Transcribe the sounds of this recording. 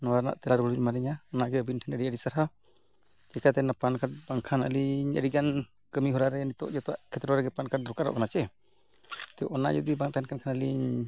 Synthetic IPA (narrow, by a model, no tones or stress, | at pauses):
nɔwaɾna̰ʔt̪ɛlaɾbuɽiɲmaɾɛɲaɔnaʔɡɛəbinʈʰɛnəɾiəɾisaɾɦa | d͡ʒɛkat̪ɛnapankaʈ̚baŋkʰanə̰liɲə̰ɾid͡ʒan | kəmiɦɔɾaɾɛnit̪ɔ̰ʔd͡ʒɛt̪ɔwaʔkʰɛt̪ɾɔɾɛɡɛpankaʈ̚d̪ɾɔkaɾɔ̰ʔkanat͡ʃɛ | t̪ɛʔɔna̰ʔd͡ʒud̪ibaŋt̪aɛnkʰankʰanəliɲ